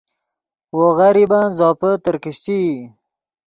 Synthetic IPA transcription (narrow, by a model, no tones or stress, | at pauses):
woɣaɾibanzɑːpət̪əɾkɪɕt̪i